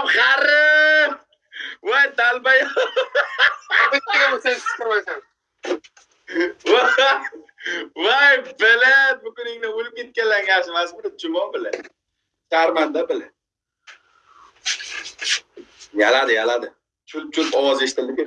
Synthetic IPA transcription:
χaɾɪ | wajd̪albajɔ | ʊɪnabosaɪ̥aojsa | wa | wajbɪlabʊkʲʊnɪŋnɪʊlkʲɪnt̪̚kʲalaŋaʃ̬masbɪlɪt͡ʃʰʊmɒbɪlɪ | ʃaɾmand̪abɪlɪ | jalad̪ɪjalad̪ɪ | t͡ʃʰʊlp̚t͡ʃʰʊlpɒwɒzeʃɪ̥t̪ʰɪld̪ɪkʲe

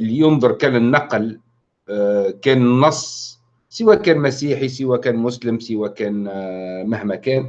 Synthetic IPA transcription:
lːijʊnd̪ˤʊɾˤkænənːɑql | kænnːɑsˤː | səwækænmæsiħis̬əwækænmʊsləmsəwækænmahmækæn

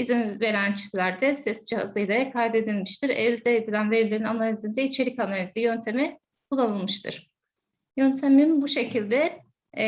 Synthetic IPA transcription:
izinve̞ɾænt͡ʃʰi̥flʲæɾd̪ɛsɛsd͡ʒiha̰zɯjd̪ˠakʰajd̪e̞d̪ilʲmiʃt̪ʰiɾɛlʲd̪ɛːd̪ilʲænveɾilʲeɾinanalʲizind̪ɛit͡ʃʰe̞ɾicanalʲizijø̞nt̪ʰe̞mi | kʰulˠːanɯlˠmɯʃt̪ʰɯ̰ɾ̥ | jønt̪ʰeminbuʃe̞cʰilʲd̪ɛ

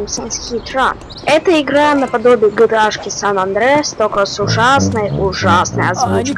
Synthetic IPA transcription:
msənsxʲit̪ɾa | ɛt̪əɪɡɾanəpɐd̪o̞bʲɪːɡɨd̪aʂkʲɪsanɐnd̪ɾɛst̪okəsʊʐasnəjʊʐasnəjɐzvut͡ɕk

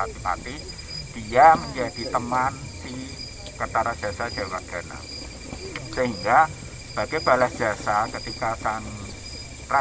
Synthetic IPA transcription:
at̪ipa̰t̪i | d̥iaməɲd͡ʒad̥it̪əmansi | kət̪aɾad̥a̤sad͡ʒ̥a̤waʔɡ̥a̤na̰ | səɦiŋɡa | b̥a̤ɡ̥ab̥a̤lasd̥iasakət̪ikasan | pɾa

